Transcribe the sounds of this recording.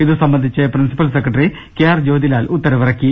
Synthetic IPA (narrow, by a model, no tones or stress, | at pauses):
iðusɐmbɐnd̪ʱit͡ɕːɐprinsi̥pːɐls̬ekːrɐʈɐri | keːjaːrd͡ʑoːd̪ilaːlut̪ːɐɾɐʋɐrɐkʲːi